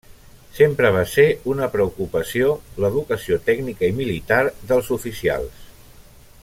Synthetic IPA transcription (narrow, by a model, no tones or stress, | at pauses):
sempɾəβ̞aseunəpɾəukupəsioləðukəsiot̪ɛɡnikəimilit̪aɾðəlˠzufisia̰lˠs